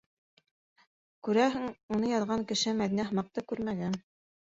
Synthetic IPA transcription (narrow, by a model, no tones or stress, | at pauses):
kʉɾæɦɘŋunɤjɑðʁɑŋkɘ̆ʃɘmæðinæɦmɑq̚t̪ɤkʉɾmæɡæn